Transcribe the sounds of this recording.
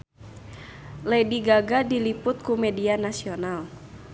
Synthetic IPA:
ladiɡaɡadilipʊt̪̚kumɛdianasional

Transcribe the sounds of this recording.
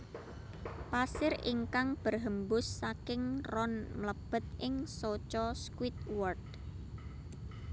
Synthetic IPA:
pasɪrḭŋkaŋb̥ərɦəmbʊsːakɪŋrɔnmləb̥ə̤t̪̚ʔɪŋsot͡ʃɔskwit̪̚wɔrd̚

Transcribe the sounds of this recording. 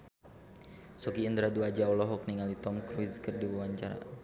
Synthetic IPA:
sɔkiənd̪ɾaduad͡ʒaɔlɔɦɔk̚niŋalit̪ɔmkɾuiskərdiwawaɲt͡ʃaɾa̰

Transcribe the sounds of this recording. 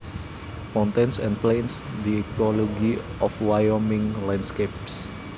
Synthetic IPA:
mãw̃nt̪ẽnsɛ̃nplensdiɛkɔlɔɡiʔɔfwajɔmĩŋlãndskep̚s

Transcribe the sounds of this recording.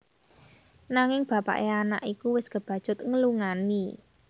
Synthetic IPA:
naŋɪŋb̥ä̤pa̰ʔeana̰ʔikuwɪsɡ̥ə̤b̥a̤d̥ʒ̥ʊ̤t̪̚ŋəluŋani

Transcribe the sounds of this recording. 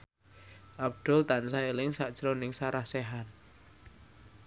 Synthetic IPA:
ʔab̚d̪̥ɔ̤lt̪ansaelɪŋsaʔd̥ʒ̥əɾonɪŋsaɾahsɛɦan

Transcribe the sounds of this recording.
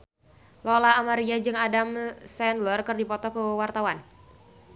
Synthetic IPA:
lɔlaːmaɾiad͡ʒɨŋadamsɛnlərkərdipɔt̪ɔkəwart̪awan

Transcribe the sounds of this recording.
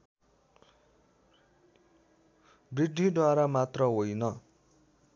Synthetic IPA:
brid̪ʱːid̪waɾamat̪rʌɦojnʌ

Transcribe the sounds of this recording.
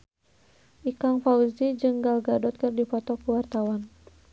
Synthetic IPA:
ʔikaŋfaud͡ʒid͡ʒɨŋɡalɡadɔt̪̚kɨrdipɔt̪ɔkuwart̪awan

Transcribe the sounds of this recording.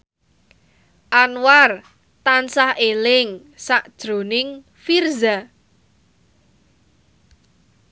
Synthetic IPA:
ʔanwar | t̪ansahelɪŋ | saʔd̥ʒ̥ɾo̤nɪŋ | firza

